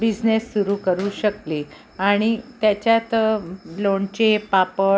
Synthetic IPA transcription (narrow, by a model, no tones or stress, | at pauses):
bid͡ʑnesːuɾuːkəɾuːɕəkliː | aɽ̃it̪jat͡ɕjat̪loɳt͡ɕepapə